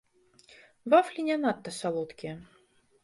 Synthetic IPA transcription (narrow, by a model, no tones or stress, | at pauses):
vaflʲinʲanat̪ːɐsalˠɔt̪kʲi